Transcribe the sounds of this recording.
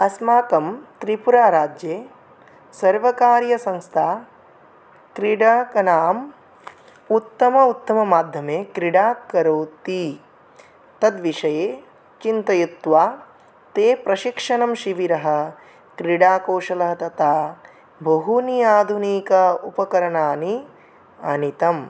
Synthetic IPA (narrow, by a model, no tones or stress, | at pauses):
ɐsmaːkɐmt̪ɾipuɾaːɾaːd͡ʒjeː | sɐɾʋɐkaːɾjɐsɐ̃ŋst̪ʰaː | kɾiɽaːkɐnaːm | ut̪ːɐmɐut̪ːɐmɐmaːd̪ʱjɐmeːkɾiɖaːkɐɾoːt̪i | t̪ɐd̪ʋiʂɐjeː | t͡ʃint̪ɐjut̪ʋaː | t̪eːpɾɐʃikʂɐnɐmʃiʋiɾɐɦɐ̆ | kɾiɽaːkoːʃɐlɐɦɐt̪ɐt̪aː | bʱɐɦunijaːd̪ʱuniːkɐupɐkɐɾɐɳaːni | ɐnit̪ɐm